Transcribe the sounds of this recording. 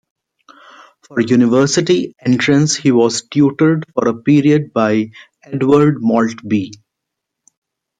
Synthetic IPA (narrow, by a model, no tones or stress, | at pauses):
fɔːɾjuːnɪʋəɾsɪʈiẽɳʈɾə̃nshiːʋɔːzʈjuːʈəɾɖfɔːɾəpiːɾiəɖ̚baɪ | eɖʋəɾɖmɔːlʈbiː